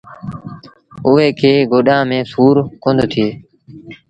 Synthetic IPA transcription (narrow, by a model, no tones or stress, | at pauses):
ʊɦeːkʰeːɡoːɗãːmẽːsuːɾkõːnd̪ʱt̪ʰɪeː